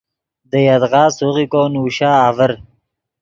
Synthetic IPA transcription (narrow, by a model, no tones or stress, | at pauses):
d̪əjad̪ʁɑːsuʁikoːnuːɕaːvəɾ